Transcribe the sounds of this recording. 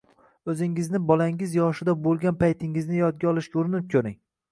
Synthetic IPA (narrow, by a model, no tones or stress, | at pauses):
ɵzɪŋɪznɪbɒlaŋɪzjɒʃɪd̪abolˠɡʲanpʰajt̪ʰɪŋɪznɪjɒd̪̚ɡʲaɒlˠɪʃkʲʊɾɪnɪp̚kʲʰɵɾɪŋ